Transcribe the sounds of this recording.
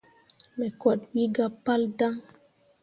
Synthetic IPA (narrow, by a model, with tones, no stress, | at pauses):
mɛ˨kɔ˨twi˦ɡa˦pːa˦lda˦ŋ